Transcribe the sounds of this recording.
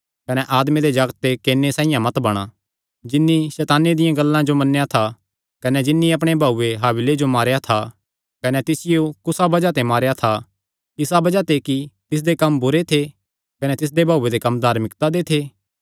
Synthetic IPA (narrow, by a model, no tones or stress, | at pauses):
kɐnɛʔaːd̪mẽd̪ed͡ʒɐɡət̪ːekeːnːesãːɪ̃jãmɐt̪bɐɽ̃a | d͡ʒɪnːisɛːt̪aːnːed̪ɪjãɡɐlːãd͡ʒomɐnːejat̪ʰa | kɐnɛd͡ʒɪnːiɐp̬ɽ̃ebʱaːuːeɦaːbɪled͡ʒomaːɾjat̪ʰa | kɐnɛt̪ɪsɪjokʊsabɐd͡ʒat̪emaːɾjat̪ʰa | ɪsabɐd͡ʒat̪ekit̪ɪs̬d̪ekɐmbʊɾet̪ʰe | kɐnɛt̪ɪs̬d̪ebʱaːuːed̪ekɐmd̪ʱaːɾmɪkt̪ad̪et̪ʰeː